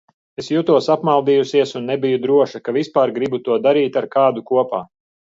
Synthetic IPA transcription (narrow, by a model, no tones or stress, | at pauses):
esjut̪uɔsapmalˠd̪ijusiɛsunːɛbijud̪ɾuɔʃɐkavispaːɾɡɾibut̪uɔd̪aɾiːt̪aɾkaːd̪ukuɔpaː